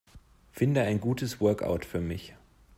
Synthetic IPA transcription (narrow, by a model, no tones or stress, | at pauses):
fɪndəaɪnɡuːtəsv̥œɐka̰ʊtfyːɐmɪç